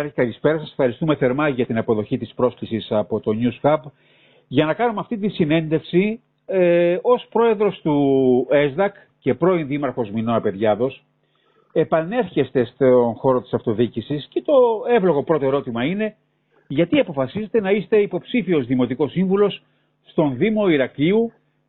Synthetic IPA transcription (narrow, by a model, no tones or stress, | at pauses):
ɐɾçik̪ɐlispe̞ɾɐsɐsefxɐɾist̪ume̞θe̞ɾmɐʝɐt̪inɐpo̞ðo̞çit̪ispɾo̞sklisisɐpo̞t̪o̞ɲuskɐp | ʝɐnɐkɐnumeɐft̪it̪̬insine̞nd̪e̞fsi | eo̞spɾo̞e̞ðɾo̞st̪ue̞zd̪ɐk | ce̞pɾo̞inðimɐɾxo̞zmino̞nɐpe̞ðʝɐðo̞s | e̞pɐne̞ɾçest̪e̞st̪onxo̞ɾo̞t̪i̥sɐft̪o̞ðicisisce̞t̪o̞e̞vlo̞ɣo̞pɾo̞t̪o̞e̞ɾo̞t̪imɐine̞ | ʝɐt̪iɐpo̞fɐsize̞t̪e̞nɐist̪e̞ipo̞psifio̞zðimo̞t̪iko̞siɱvulo̞s | st̪o̞nðimo̞iɾɐkiu